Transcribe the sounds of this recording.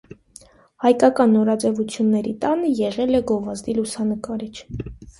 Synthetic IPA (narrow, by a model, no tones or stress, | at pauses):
hɑjkɑkɑnːɔɾɑd͡zɛvut͡sʰjunːɛɾit̪ɑnəjɛʁɛlɛɡɔvɑzd̪ilusɑnəkɑɾit͡ʃʰ